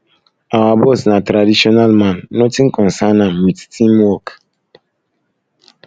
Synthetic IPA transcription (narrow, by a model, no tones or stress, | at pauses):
awabɔsnatɾadiʃɔnalmãnːɔtiŋ̩kɔ̃n̩sanawittʰĩmwɔk